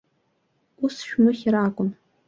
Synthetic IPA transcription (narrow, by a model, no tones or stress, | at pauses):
usʃᶣmɨχʲɪɾaːkʷʼʊn